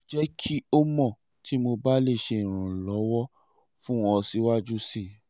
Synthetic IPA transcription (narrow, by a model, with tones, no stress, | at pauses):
d͡ʒɛ˦kʰi˦o˦mɔ̃˦˨ | tʰi˦mo˧ba˦le˦˨ʃe˧ĩ˨ɾ̃ũ˨lɔ˨˦wɔ˦ | fũ˦ɔ˧si˨˦wa˦d͡ʒu˦si˦˨